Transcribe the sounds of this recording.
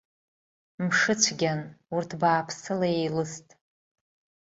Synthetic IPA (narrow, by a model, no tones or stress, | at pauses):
mʂɨt͡ɕʷʰɡʲanurtʰbaːpʰsɨlaejlɨstʼ